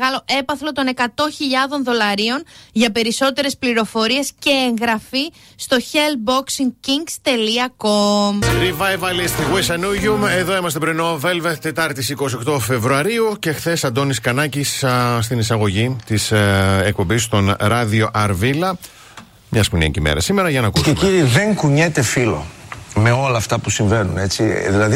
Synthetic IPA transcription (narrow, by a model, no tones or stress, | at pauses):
ɣɐlo̞ʔe̞pɐθlo̞t̪o̞ne̞kɐt̪o̞çiʎɐðo̞nðo̞lɐɾio̞nʝɐpe̞ɾiso̞t̪e̞ɾe̞spliɾo̞fo̞ɾie̞sce̞ːŋɣɾɐfi | st̪o̞çeld̪̚bo̞ksiŋciŋɡst̪e̞liɐkomɾivɐevɐlist̪ɣwesɐnuʝume̞ðo̞imɐst̪e̞pɾino̞ve̞lvet̪e̞t̪ɐɾt̪isiko̞sio̞kt̪o̞fe̞vɾuɐɾiuce̞xθe̞sɐnd̪o̞niskɐnɐciss̬t̪inisɐɣo̞ʝit̪isek̚po̞mbist̪o̞nɾɐðio̞ʔɐɾvilɐ | mɲɐspunḛcimḛɾɐ̰sime̞ɾɐʝɐnɐkuseciɾiðe̞ŋkuɲet̪e̞filo̞̰me̞o̞lɐːft̪ɐpusiɱve̞nune̞t͡siðilɐði